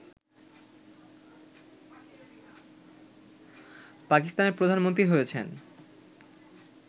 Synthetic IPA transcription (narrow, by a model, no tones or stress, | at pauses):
pakist̪aneɾpɾod̪ʱanmont̪̬ɾiɦojet͡ɕʰen